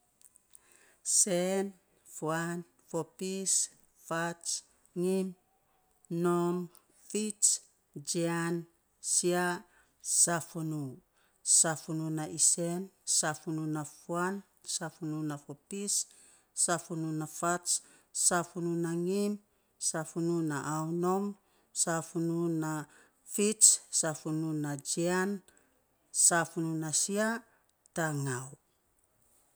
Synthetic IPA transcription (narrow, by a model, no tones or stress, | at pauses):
sen | fuan | fopis | fat͡ʃ | ŋim | nom | fit͡ʃ | d͡ʒian | sia | safunu | safununaʔisensafununafuan | safununafopisː | afununafats | safununaŋim | safununaʔawnom | safununa | fit͡ʃsafununad͡ʒian | safununasia | taŋaw